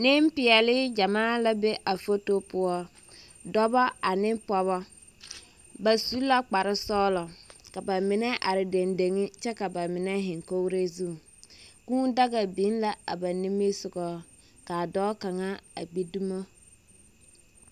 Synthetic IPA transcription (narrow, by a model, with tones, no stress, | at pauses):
nɪ˦m˦pɪ˨ɛ˨lɪ˦d͡ʒa˨maː˦la˨be˦ʔa˨fo˦to˦pʊ˦ɔ˦ | dɔ˦bɔ˦a˨nɪ˦pɔ˨βɔ˦ | ba˨su˦la˦k͡pa˨ɾɪ˦sɔː˦lɔ˨ka˨ba˨mɪ˨nɛ˦ʔa˨ɾɪ˨de˨nde˨ŋɪ˦t͡ʃɛ˦ka˨ba˨mɪ˨nɛ˦ɦɪ˨ŋko˦ɾe˦zu˦˨ | kũː˦n˦da˦ɡa˨bi˨˦n˦la˨a̰˨ba˨ni˦me˦sʊ˨ɡɔː˦ | ka˨dɔː˦ka˨ŋa˦a̰˨ɡ͡bi˦du˦mo˦